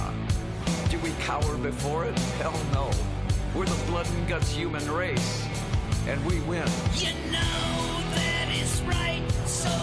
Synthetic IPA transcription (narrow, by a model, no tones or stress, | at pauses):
d̥ɨwikʰaʊə˞bɨfɔɹɪt̚ʰɛlˠnoʊ | wɪɹðəblʌdⁿn̩ɡʌtshjʉmɨ̃nɹeɪs | ʔɨ̃nwiwɪ̃njɨnoʊ | ðɨɾɪzɹaɪt̚so